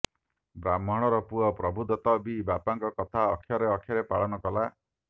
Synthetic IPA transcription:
bɾamɔɽ̃ɔɾɔpuɔpɾɔbʱud̪ɔt̪ɔbibapaŋkɔkɔt̪ʰaɔkʰːjɔɾeɔkʰːjaɾepaɭɔnɔkɔla

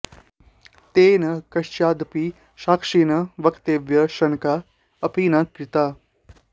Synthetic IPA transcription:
t̪eːnɐkɐʃt͡ʃaːd̪pi | ʃaːkʂinɐʋɐkt̪eːʋjɐʃɐŋka | ɐpiːnaːt̪̚kɾɪt̪aː

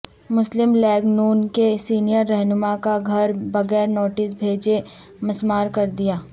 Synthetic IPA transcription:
mʊslɪmlɛːɡnuːnkesiːnijəɾːɛɦnʊmakaɡʱɐɾbɐɣɛːɾnoːʈɪsbʱeːd͡ʒe | mɐsmaːɾkɐɾd̪ijaː

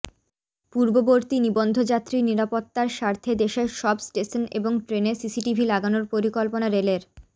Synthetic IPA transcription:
puɾboboɾt̪inibond̪ʱod͡ʑat̪ːɾiniɾapot̪ːaɾʃaɾt̪ʰed̪eʃeɾʃɔbsʈeʃonḛboŋʈɾenesisiʈibʱilaɡanoɾpoɾikolponaɾeleɾ

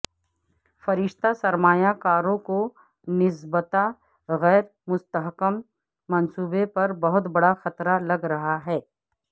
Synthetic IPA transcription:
fɐɾɪʃt̪asɐɾmaːjakaːɾõko | nɪsbət̪a | ɣɛːɾ | mʊst̪əɦkəmː | ɐnsuːbepɐɾbɐɦʊt̪bɐɽaxɐt̪ɾalɐɡɾɐɦaɦɛː

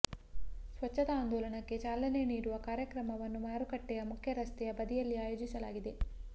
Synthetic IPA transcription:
sʋɐt͡ʃːɐd̪ɐaːnd̪ɔːlɐɳɐkːe̞t͡ʃaːlɐne̞niːɾuʋɐkaːɾjɐkɾɐmɐʋɐnːumaːɾukɐʈːɛjɐmukʰjɐɾɐst̪ɛjɐbɐd̪ijɐlːiaːjoːd͡ʒisɐlaːɡid̪e̞

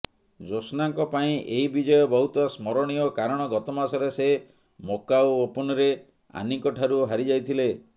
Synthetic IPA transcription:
d͡ʒosnaŋkɔpaĩʔeɦibid͡ʒɔjɔbɔɦut̪ɔsmɔɾɔɽ̃ijɔkaɾɔɽ̃ɔɡɔt̪ɔmasɔɾese | mokawoopɔnɔɾe | a̰nikɔʈʰaɾuɦaɾid͡ʒajt̪ʰile

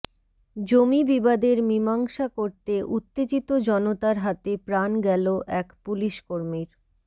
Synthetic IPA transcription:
d͡ʑomibibad̪eɾmimaŋʃakoɾt̪eʔut̪ːed͡ʑit̪od͡ʑɔnot̪aɾɦat̪epɾanɡɛloʔɛkpuliʃkoɾmiɾ

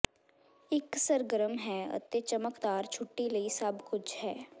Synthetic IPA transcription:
ɪksəɾɡəɾəmɦɛːɐ̰t̪et͡ʃɐməkd̪aːɾt͡ʃʰʊʈːilɐisɐbkʊt͡ʃʰɦɛː

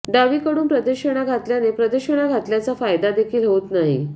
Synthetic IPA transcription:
ɖaʋiːkəɽuːnpɾəd̪əɕəɽ̃aɡʱat̪ljanepɾəd̪əɕəɽ̃aɡʱat̪ljat͡safajd̪ad̪ekʰiːlɦot̪naɦḭ

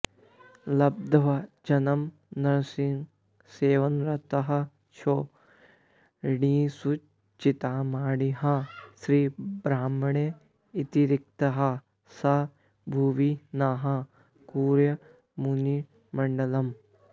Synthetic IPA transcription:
lɐb̚d̪ʱɐʋɐd͡ʒɐnɐm | nɐɾsɪ̃ŋɡ | seːʋɐnɾɐt̪ɐɦɐ̆ | t͡ʃʰoː | ɽĩːsu | t͡ʃit̪aːmaːɽiɦãsɾiːbɾaːmɳe | it̪iɾɪk̚t̪ɐɦɐ | sɐ | bʱuːʋinaːɦɐ̃ | kuːɾjɐ | muni | mɐɳɖɐlɐm

